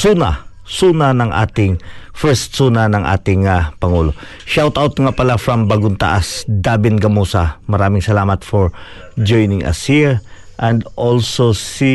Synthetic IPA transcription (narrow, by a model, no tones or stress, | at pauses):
suːna̰ | suːnɐnɐŋʔa̰ːt̪ɪŋfɛɹst̪sunɐnɐŋʔa̰ːt̪ɪŋapɐŋuːlo̞ | ʃawt̪awt̪ŋapɐlafɹɐmbɐɡʊnt̪a̰ʔasd̪aːbɪnɡɐmosɐmɐɾaːmɪŋsɐlaːmɐt̪foɹ | d͡ʒojnɪŋʔɐ̰siɹʔɛ̃nd̪ʔolsosi